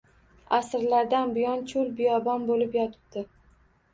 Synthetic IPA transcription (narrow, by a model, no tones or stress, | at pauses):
asɾlaɾd̪anbɪjɒnt͡ʃʰʊlbɪjɒbɒnbolɪpjɒt̪ʰɪ̥b̚d̪̥ɪ